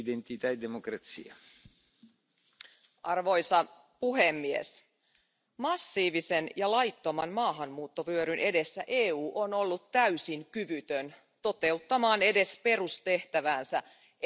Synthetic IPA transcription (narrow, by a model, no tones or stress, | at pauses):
d̪ent̪it̪æjd̪emokrɑt̪sḭɑ | ɑrʋo̞jsɑ | puɦemːiḛs | mɑsːiːʋise̞njɑlɑjt̪ːomɑnmɑːɦɑmmuːt̪ːo̞ʋyøɾynʔe̞de̞sːæʔeːuːʔo̞no̞lːut̪tæɥysiŋkyʋyt̪øn | t̪o̞t̪e̞ut̪ːɑmɑːne̞de̞spe̞rust̪e̞ht̪æʋæːnsæ